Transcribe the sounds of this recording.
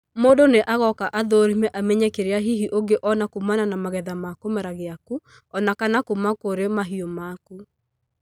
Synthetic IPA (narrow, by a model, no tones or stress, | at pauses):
moːdoneʔaɣɔkaʔaðoɾimɛʔamɛɲɛkeɾeaɦiɦiʔoɡeʔɔnakumananamaɣɛðamakomɛɾaɣeaku | ɔnakanakumakoɾemaɦiomaku